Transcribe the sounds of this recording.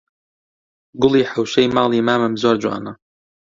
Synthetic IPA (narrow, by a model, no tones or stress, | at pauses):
ɡʊlˠiːħawʃɛjmɑːlˠiːmaːmɨmzoːɾd͡ʒwa̰ːnɐ